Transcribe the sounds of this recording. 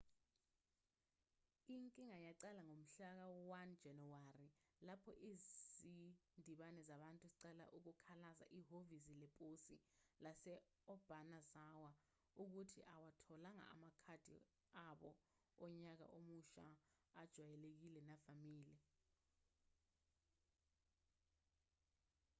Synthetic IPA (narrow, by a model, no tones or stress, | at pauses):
iŋkʼiŋajaǀɛlaŋom̩ɬak̬awɔwand̥d͡ʒ̥ʱɛnɔwarilapʰɔ̰ʔizindʱiɓanɛzaɓantʼuziǀɛla̰ʔuk̬ukʰalaza̰ʔiɦovizilɛpʼosilasɛ | ɔb̥ʱanazawa | uk̬utʰḭʔawatʰɔlaŋa̰ːmakʰad̥ʱḭ | aɓɔ | ɔɲak̬a̰ʔomuʃa̰ | ad̥ʒ̥ʱwajɛlek̬ilɛnavamiːlɛ